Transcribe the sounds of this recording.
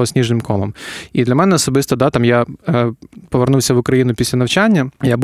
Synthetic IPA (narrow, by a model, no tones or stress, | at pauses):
ɔsʲnʲiʐnɪmkʰɔmˠɐ̰mid̪lʲɐmɛnɛɔsɔbɨst̪ɔd̪at̪amja | pɔʋernuwsʲɐʋʊkɾɐjinʊpʲisʲlʲɐnɐwt͡ʃanʲːɐjab